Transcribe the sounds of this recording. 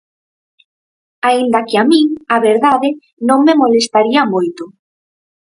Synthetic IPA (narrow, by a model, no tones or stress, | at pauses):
aind̪akɪamĩaβeɾðaðe | nõŋmemolest̪aɾiamojt̪ʊ